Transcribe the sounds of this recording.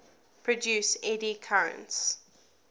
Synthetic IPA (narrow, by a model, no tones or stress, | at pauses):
pʰɹ̥ɔdʉːˑsɛdikʰaɹə̰̃nts